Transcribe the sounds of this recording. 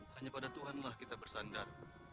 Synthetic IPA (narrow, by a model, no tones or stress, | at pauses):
haɲapadat̪uɦanlahkit̪abərsandar